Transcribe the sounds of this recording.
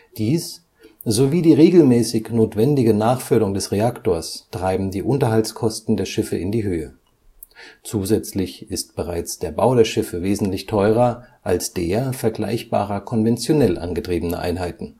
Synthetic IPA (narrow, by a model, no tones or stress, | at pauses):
d̥iːs | zoviːdiːʁeːɡl̩mɛːsɪçnoːtv̥ɛndɪɡənaːχfʏɐɾʊŋdɛsʁeaktoːɐstʁ̥aɪbm̩diːʔʊntɐhalt͡skʰɔstn̩deːɐʃɪfə̰ʔɪndiːɦøːə | t͡suːzɛt͡slɪçɪst̚b̥əʁa̰ɪt͡sd̥eːɐbaʊdeːɐʃɪfəveːzn̩tlɪçtʰɔʏʁ̞ɐʔalsd̥eːɐfɛɐɡla̰ɪçb̥a̰ːʁɐkʰɔnvɛnt͡sjonɛlʔa̰nɡətʁ̥iːbənəʔa̰ɪnɦaɪtn̩